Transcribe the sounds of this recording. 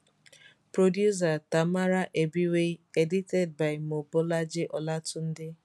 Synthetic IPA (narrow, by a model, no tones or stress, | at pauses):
pɾodjus̬atamaɾaʔebiweedited̚baɪmobʊlad͡ʒɪʔɔlatʊn̩dɪ